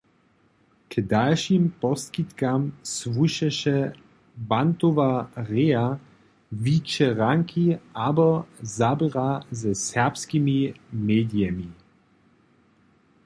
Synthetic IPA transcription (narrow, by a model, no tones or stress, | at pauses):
kdalʃimpɔskit̪kamsvuʃɛʃɛ | bant̪ovaʁɛa | vit͡ʃɛʁaŋkʰiabɔzabʁazɛsɛʁpskimimeːd̪iɛmi